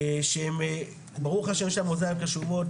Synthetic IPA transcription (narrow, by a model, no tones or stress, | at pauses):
ʃeem | baʁuχhaʃe̞mʃelamozaivkaʃuvo̞t